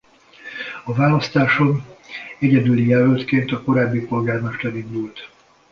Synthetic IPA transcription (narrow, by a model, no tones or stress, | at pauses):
ɒvaːlɒst̪aːʃo̞nɛɟɛd̪ylijɛløːlt̪keːnt̪ɒko̞ɾaːbːipo̞lɡaːrmɛʃt̪ɛɾind̪ult̪